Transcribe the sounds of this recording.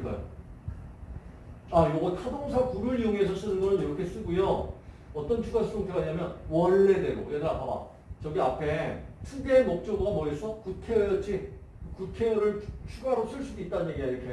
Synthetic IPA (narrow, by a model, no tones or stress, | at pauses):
ɡa̰jo̰ | ajoɡʌtʰadoŋsʰakuɾɯɭijoŋesʰʌs͈ɯnɯnɡʌnɯnjʌɾʌkʰe̞s͈ɯɡujo | ʌt͈ʌnt͡ɕʰuɡasʰuoŋtʰɯaɲamjʌnwʌɭːe̞de̞ɡo̰jedaɾap͈ʰaba̰ | t͡ɕʌɡiapʰe̞tʰude̞mʌk̚t͡ɕ͈ʌɡuɡamʌisʰʌkutʰe̞ʌjʌt͡ɕ͈i | kɯkutʰe̞ɾɯɭt͡ɕʰuɡaɾos͈ɯɭs͈udoit̚t͈anɯɲje̞ɡiɡaiɾʌkʰe